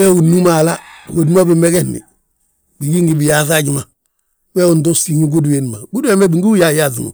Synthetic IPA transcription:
we˦ɡu˨nu˦ma˨la˦ɡo˨di˦ma˦bi˨me˦ɡe˦nḭ˨ | bi˨ɡi˦ŋɡi˨bi˨ja˨sa˦ɟi˨ma˨ | weː˦u˨ndo˦si˨ŋu˦ɡu˦dwe˨n˨ma˨ɡu˦du˦e˦ma˦bi˨ŋɡi˦u˦ja˨ja˦˨sḭ˨ŋṵ˨

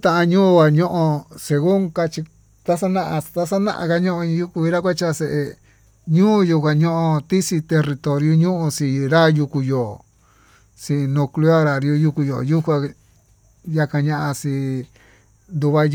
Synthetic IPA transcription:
t̪ã˧ʔã˧ɲũː˦˧a˨ɲõ˦ʔõ˧se˧ɣu˦ŋka˧t͡ʃi˧ | t̪a˦sa˦nã˧ʔã˧t̪a˦sa˦nã̰˦ʔã̰˧ka˧ɲõ˦ʔõ˧ɲĩ˧ju˦ku˧i˧ɾa˦kʷa˦t͡ʃa˦se˧˨ʔe˧ | ɲũː˦˧˦ju˧kʷa˧ɲõ˦ʔõ˧t̪i˦si˧t̪e˧ri˧t̪o˨ɾju˦ɲũ˦ʔũ˧sĩ˧˨ɾa˦ju˧ku˧joː˨ | si˧nõ˧klu˦a˦ɾa˨ɾju˧ju˧ku˧jo̰˨ju˦kʷa˧ | ja˧ka˧ɲã˧ʔã˧sĩ˧ | nd̪u˧βa˦

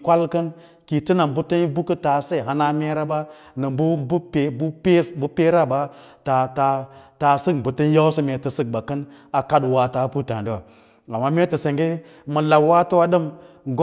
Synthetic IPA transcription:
kʷa˦lkə˦n | ki˨ti˦na˨mbu˦tə˦n˦bu˦kə˦ta˨se˦˨ɦa˨na˦me˦ɾa˦ba˦ | nɨ˨mbbpbu˦pe˦bu˦pe˦ɾa˦ba˦ | ta˨ta˨ta˨sɨ˦kbu˨tə˦n˦ja˦wsi˦me˨tə˨sɨ˦k̚ba˨kə˦n | a˨ka˦dwa˨ta˨˦pu˦ta˨di˦wa˨ | a˨mːa˦me˦tə˨se˨ŋɡe˦ | mə˨la˨wa˦tə˦wa˦ɗə˦mɡ

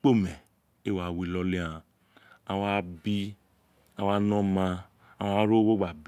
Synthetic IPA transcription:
k͡po˦mɛ˨ | e˦wa˨wi˨˦lɔ˦le˦ã˧˨ | a˧wa˦bi˦ | a˧wa˦nɔ̃˦ma˧ | a˦wa˦ɾo˦wo˦ɡ͡ba˨b

